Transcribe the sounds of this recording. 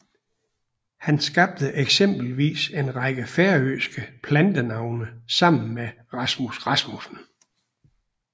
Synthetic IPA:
hænsɡ̥ɑ̈b̥̚d̥əʔeɡ̥sem̰b̥l̩ʋḭːse̝nʁɑɡ̥əfæɐø̰ːsɡ̥əpʰlænd̥ənɑ̈ʊnəsɑ̈m̰n̩me | ʁɑ̈smusʁɑ̈smusn̩

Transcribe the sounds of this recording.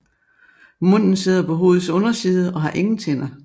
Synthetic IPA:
mɔ̽n̰n̩se̝ð̰ˠɐpʰɒ̽ɦo̝ːð̞̩ˠsɔ̽nɐsiːðˠəɒ̽ɦɑ̈ʔe̝ŋn̩t͡sʰen̰ɐ

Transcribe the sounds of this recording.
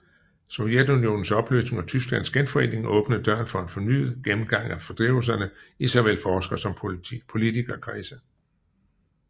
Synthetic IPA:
sojed̥unio̝̰ːn̩sɒ̽b̥lø̰ːsne̝ŋɒ̽t͡sʰysɡ̥læn̰sɡ̥enfɒ̽e̝̰ːne̝ŋɔ̽ːb̥nəð̩ˠd̥ɶɐ̰nfɒ̽e̝nfɒ̽ny̰ːð̩ˠɡ̥emm̩ɡ̥ɑ̈ŋ̰æfɒ̽d̥ʁḭʊl̩s̬ɐnəisɒ̽ʋel̰fɒːsɡ̥ɐsɒ̽mʰpʰo̝lit͡sʰiɡ̥ɐkʰʁiːsə

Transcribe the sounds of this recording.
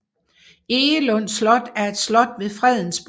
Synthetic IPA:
eːəlɔn̰slɒ̽d̥æɐe̝d̥slɒ̽d̥ʋe̝ðˠfʁɛð̰ˠn̩sb̥

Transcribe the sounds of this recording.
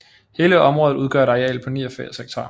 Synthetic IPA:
he̝ːləʔɒ̽mʁɔːð̩ˠuðˠɡ̥ɶ̰ɐ̰ɾ̥ɑ̈ʁiɛ̰ːl̚pʰɒ̽niːɒfɛɐ̰seɡ̥̚t͡sʰɑ̰̈ː

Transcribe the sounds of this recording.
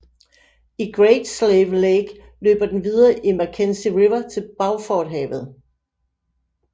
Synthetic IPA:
iɡ̥ʁed̥sleːʋleːɡ̥ | lø̰ːb̥ɐd̥enʋið̞ˠɐːʔimɑkʰænsiʁiʋɐt͡sʰe̝lb̥ɑ̈ʊfɒːd̥ɦɛ̰ːʋð̩ˠ

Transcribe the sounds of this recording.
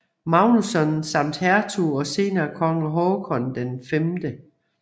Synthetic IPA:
mɑ̈ʊnusɒ̽nsɑ̈m̰d̥hæɐt͡sʰuɒ̽se̝ːnɐːkʰɒ̽ŋn̩ɦɒːkʰɒnd̥enfemd̥ə

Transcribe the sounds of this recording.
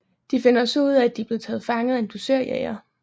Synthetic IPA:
d̥ife̝nɐɒsuð̞̰ˠæd̥ib̥le̝t͡sʰɛːð̞̩ˠfɑ̈ŋəð̩ˠæend̥usøɐjḛɪɐ

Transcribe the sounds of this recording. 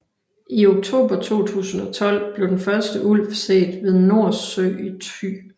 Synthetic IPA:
ʔioɡ̥̚t͡sʰo̝̰ːb̥ɐt͡sʰo̝̰ːt͡sʰṵːsn̩ɒ̽t͡sʰɒ̽l̰b̥le̝ʊd̥enfɶɐsd̥əʔulfsḛːd̥ʋe̝ð̞ˠno̝ɐ̰sø̰ːit͡sʰy̰ː

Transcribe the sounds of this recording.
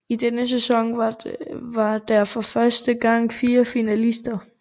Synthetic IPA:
id̥enəs̬esɒ̽ŋ | ʋɑ̈d̥æɐfɒ̽fɶɐsd̥əɡ̥ɑ̈ŋ̰fiːɐfinælisd̥ɐ

